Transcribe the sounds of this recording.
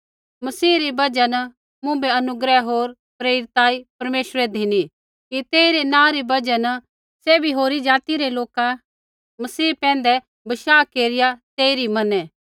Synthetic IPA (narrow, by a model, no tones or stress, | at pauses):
mɐsiːɾibɐd͡ʒɛn | mʊ̃bɛɐnʊɡɾɛɦoːɾ | pɾeːɾɪt̪aːipɐɾmeːʃɾɛd̪ʱini | kit̪eːiɾenãːɾibɐd͡ʒən | seːbiɦoːɾid͡ʒaːt̪iɾeloːka | mɐsiːpɛ̃ːn̆d̪ɛ | bɐʃaːkeːɾɪjat̪eːiɾimɐnɛː